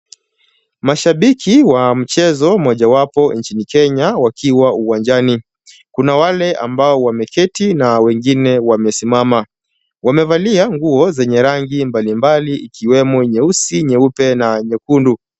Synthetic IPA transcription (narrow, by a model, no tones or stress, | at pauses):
maʃaɓikʰiwam̩t͡ʃɛzɔmɔʄawapɔnt͡ʃinikɛɲawakʰiwauwand͡ʒani | kunawalɛʔa̰mbaɔwamɛkɛtinawɛŋɡinɛwamɛsimama | wamɛvaliaŋɡuɔzɛɲɛɾaŋɡimbalimbaliːkʰiwɛmɔɲɛusiɲɛupɛnaɲɛkundu